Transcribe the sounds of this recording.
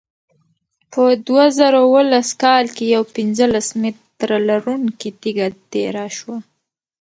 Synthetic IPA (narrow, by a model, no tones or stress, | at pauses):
pəd̪wazaɾawəlaskɑlkejawpɪnzəlasmɪt̪ɾalaɾuŋkit̪iɡat̪eɾaʃwa